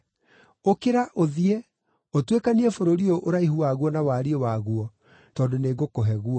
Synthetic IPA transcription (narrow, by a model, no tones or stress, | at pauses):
okeɾaʔoðiɛ | otwekaniɛfoɾoɾioʔoɾaiɦuaɣwɔnawaːɾiewaɣuɔ | tɔːdoneːɡokoɦɛɣuɔ